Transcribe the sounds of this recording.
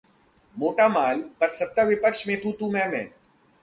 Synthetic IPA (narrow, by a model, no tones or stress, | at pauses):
moːʈaːmaːlpɐɾsɐp̚t̪aʋɪpəkʃmẽt̪uːt̪uːmɛ̃ːmɛ̰̃ː